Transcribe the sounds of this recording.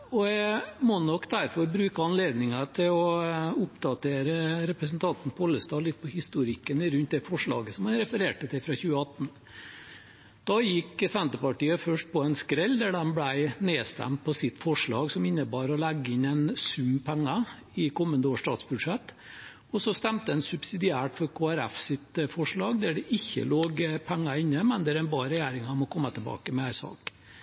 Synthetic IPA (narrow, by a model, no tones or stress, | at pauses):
ɔɛmɔnɔkd̪æɾfɔɾbɾʉːkəɑnleːd̪nɪŋət̪ʰɪlɔʊpd̪̥ɑt̪ʰeːɾəɾɛpɾəs̬nt̪ʰɑnt̪n̩pɔɔlːəst̪ɑːlɪt̪̚ːpʰɔhɪst̪uɾɪkənɪɾʉnt̪̚d̪ɛfɔʂɭɑ̰ːɡəsɔmhɑnɾɛfəɾeːʈət̪ʰɪlfɾɑçʉːəɑt̪ːn̩ | d̪̥ɑjɪkːsɛnt̪əpɑʈiːəfœʂʈ̚pʰɔɛnskɾɛlːd̪æɖɛmblæɪneːst̪æ̰mt̪̚pʰɔsɪt̪ːfɔʂɭɑːɡsɔmɪnːəbɑːɾɔlæɡːəɪnːɛɪnsʉmpʰæŋːɑ | ɪkʰɔmːənd̪əoːʂʈɑ̰ːt̪sbʉd̪ʂɛt̪ː | ɔsɔst̪æmt̪əɛnsʉbsɪd̪ɪæːʈfɔɾkʰoːæɾæ̰fsɪt̪əfɔʂɭɑːɡd̪æɖɛʔɪçːə̰loːɡpʰæŋːɑɪnːəmɛnd̪æɾɛnbɑːɾɛjæːɾɪŋɑmɔkʰɔmːət̪ʰɛlbɑ̰ːkəmɛæɪsɑ̰ːk